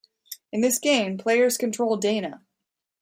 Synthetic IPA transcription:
ɨ̃nðɪsɡ̥ẽɪ̃mpʰl̥eɪə˞z̥kɨntʰɹ̥oʊlˠdẽɪ̃ñə

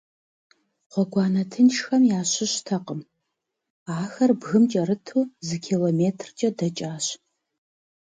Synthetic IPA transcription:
qʷɔɡʷɑːnɐtʰɨnʃxɐmjaːɕɪɕtʰɐqʼəm | aːxɐrbɣɨmt͡ʃʼɐɾɨtʰuːzɨkʲʰiːloːmeːtʰrt͡ʃʼɐdɐt͡ʃʼaːɕ

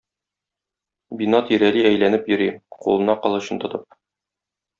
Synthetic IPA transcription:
binɑt̪iɾæliæjlænɘpjɵ̆ɾiqṵlˠɤ̆nɑqɒ̆lˠɤ̆ɕɤnt̪ŏt̪ɤp̚

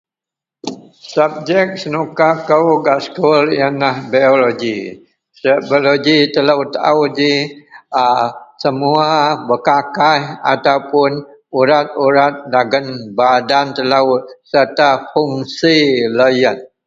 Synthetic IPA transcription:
sap̚d͡ʒɛk̚sənukakəwɡaskuljənahbaoloɡi | səbloɡit̪əlaut̪aʔawdi | səmuabəkakajat̪awpʊn | uɾat̪̚uɾat̪̚laɡənbadant̪əlasərt̪afuŋsilajən

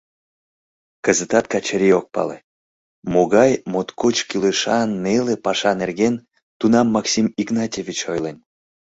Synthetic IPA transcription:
kəzət̪ɑt̪̚kɑt͡ɕəɾʲiok̚pɑ̰lḛ | moɣɑjmot̪kot͡ɕkyleʃɑnːelepɑʃɑnerɣen | t̪unɑmːɑksimiknɑtʲevʲit͡ɕojlen

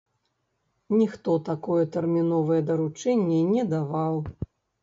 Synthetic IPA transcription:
nʲixt̪ɔt̪akɔjɛt̪ɛrmʲinɔvɐjɛd̪ɐɾut͡ʂɛnʲːɛnʲɛd̪avaw

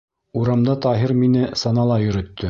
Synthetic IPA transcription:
uɾɑmd̪ɑt̪ɑɦiɾminɘsɑnɑlˠɑjɵ̆ɾɵ̆t̪ːɵ

